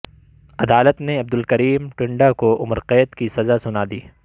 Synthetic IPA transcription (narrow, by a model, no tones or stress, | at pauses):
ɐd̪aːlət̪neɐb̚d̪ʊlkɐɾiːmʈʊ̃ɳɖakoʔʊmɾqɛːt̪kisɐzasʊnaːd̪iː